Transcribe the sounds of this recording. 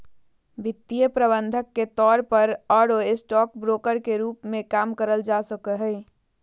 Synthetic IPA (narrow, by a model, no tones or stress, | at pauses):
bʱit̪ːijəpɾəbənd̪ʱəkːet̪ɔɾpəɾɔɾoesʈɔk̚bɾokəɾkeɾuːpmẽkamkəɾəld͡ʒasəkəɦəɪ